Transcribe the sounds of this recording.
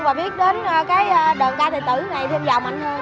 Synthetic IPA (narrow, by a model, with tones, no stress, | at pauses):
vaː˨˩ɓi˦˥ət̚ɗe˨˦nə˧kaː˨˦jːɗəː˨˩nt̪aː˧jt̪ə˨˩t̪ɨ˧˩na˨˩jt̪ʰɛ˧mzaː˨˩wma˨˩ŋ̟t̪ʰː